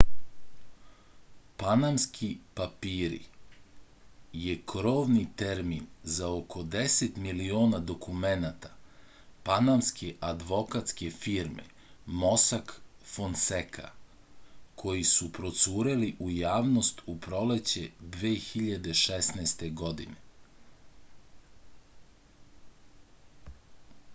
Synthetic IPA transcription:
panamskʰipapiːɾḭ | je̞kɾo̞ːʋnit̪eɾminzaokʰo̞d̪ese̞t̪milioːnad̪o̞kumenat̪ḁ | panamskʰe̞ʔad̪ʋo̞kat̪ske̞fiːɾmḛ | mosak | fonsekʰa̰ | kʰo̞jisupɾo̞t̪suːɾeliʔujaːʋno̞st̪upɾo̞le̞t͡ɕed̪ʋeːxiʎad̪e̞ʃesnɛst̪e̞ɡo̞d̪ḭne

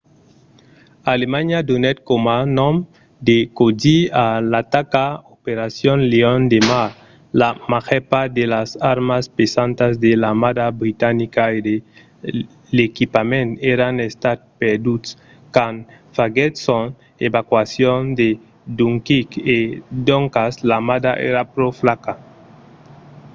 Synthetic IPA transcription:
alemaɲad̪unɛt̪̚komanɔm | d̪ekod͡ʒialat̪akaopeɾasjonleond̪emaɾ | lamaxɛpad̪elasaɾmaspesant̪azd̪elamad̪abɾit̪anikaede | lekipamẽnt̪eɾanest̪at̪̚peɾd̪ut̪s | kan | faɡet̪son | eβakwasjond̪e | d̪uŋkiked̪oŋkaslamad̪aʔḛɾapɾoflaka

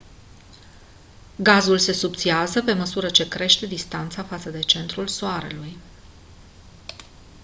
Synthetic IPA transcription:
ɡazulse̞sup̚t̪siazəpe̞məsuɾət͡ʃe̞kɾe̞ʃt̪e̞d̪ist̪ant̪safat̪səd̪e̞t͡ʃe̞nt̪ɾulsoaɾe̞̰luj

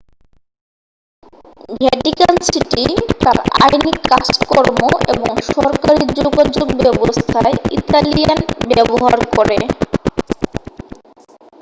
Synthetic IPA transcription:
ɡʱɛʈikansiʈit̪aɾa̰jnikːad͡ʑkɔɾmoeboŋʃɔɾkaɾid͡ʑoɡad͡ʑoɡbɛbost̪ʰaeḭt̪alijanbɛboɦaɾkoɾe

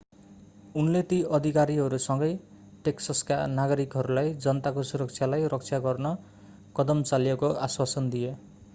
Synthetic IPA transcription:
unlet̪iʌd̪ʱikaɾiɦʌɾusʌŋɡʌj | ʈeksʌskanaɡʌɾikɦʌɾulajd͡zʌnʌt̪akosuɾʌkt͡sʰjalajrʌkt͡sʰjaɡʌrnʌ | kʌd̪ʌmt͡saljekoʔaswasʌnd̪ije

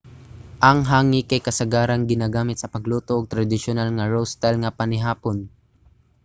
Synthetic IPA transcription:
ʔɐŋɦaːŋɪkɐjkɐsɐɡaːɾɐnɡɪnaɡaːmɪt̪sɐpɐɡluːt̪oʔːɡ̚t̪ɾɐd̪ɪʃʊnalŋɐɹowst̪alŋɐpɐnɪɦaːpon

